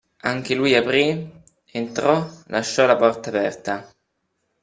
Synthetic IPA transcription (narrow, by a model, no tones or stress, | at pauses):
aŋk̟elujapɾi | ent̪ɾɔlaʃːɔlapɔrt̪aːpɛrt̪a